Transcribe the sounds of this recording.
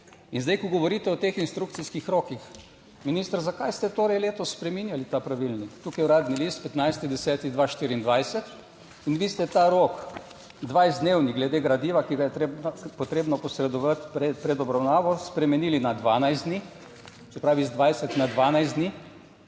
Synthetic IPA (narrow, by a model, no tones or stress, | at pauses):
inzd̪ɛjkɔɡɔʋɔɾiːt̪ɛɔt̪eːxinst̪ɾukt̪siskixɾoːkix | minist̪əɾzakajst̪ɛt̪oːɾɛjleːt̪ɔssːpɾɛminjalit̪apɾaʋilnikt̪uːkajwɾaːd̪nilist̪̚pɛt̪najst̪id̪ɛsɛːt̪iɣd̪ʋaʃt̪iːɾiːnd̪ʋajsɛt̪ | inʋiːst̪ɛt̪aɾoːk | d̪ʋajzd̪neːwniɡlɛd̪eːɡɾad̪iːʋakiɡajɛt̪ɾebpɔt̪ɾeːbnɔpɔsɾɛd̪ɔʋat̪pɛpɾɛd̪ɔbɾawnaːʋɔspɾɛmɛniːlinad̪ʋaːnajzd̪ni | sɛpɾaːʋizd̪ʋajsɛt̪nad̪ʋaːnajzd̪ni